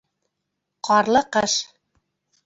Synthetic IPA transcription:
qɑɾlˠɤqɤʃ

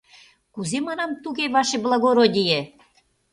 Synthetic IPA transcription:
kuzemɑnɑmt̪uɣeβɑʃeblˠɑɣoɾodʲije

